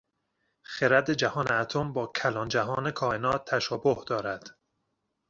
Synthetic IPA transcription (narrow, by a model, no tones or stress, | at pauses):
xeɾæd̪e̞d͡ʒæhɒːneæt̪ʰombɒːkʰælɒːnd͡ʒæɦɒːnekʰɒːenɒːt̪ʰːæʃɒːbohd̪ɒːɾæd̪̥